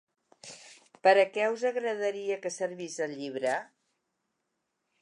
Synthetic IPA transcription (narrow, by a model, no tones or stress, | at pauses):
pəɾəkɛuzəɣɾəðəɾiəkəsəɾβizəlʎiβ̞ɾə